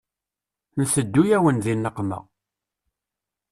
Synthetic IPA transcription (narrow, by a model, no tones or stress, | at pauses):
nθəd̪ːujæwənðinːəqːmə̰ʁ